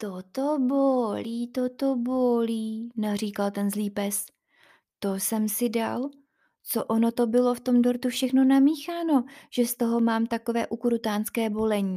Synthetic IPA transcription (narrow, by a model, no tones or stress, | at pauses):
t̪ot̪oboliːt̪ot̪oboliːnar̝iːkalt̪ɛnzliːpɛs | t̪o̞sɛmsɪda̰l | t͡soʔono̞t̪o̞bɪlo̞ft̪o̞mdo̞ɾt̪ufʃɛxno̞namiːxaːno̞ʒ̥ɛst̪o̞ɦo̞maːmt̪ako̞vɛːʔukɾut̪aːnskɛːbo̞lɛɲiː